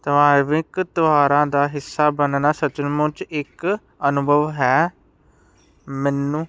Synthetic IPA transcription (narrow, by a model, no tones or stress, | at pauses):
t̪əʋaːɾʋɪkt̪ʊaːɾãːd̪aːɦɪsːaːbənnaːsət͡ʃənmʊ̃ːt͡ʃɪk | ənʊbʱəʋɦɛː | mɛːnːũː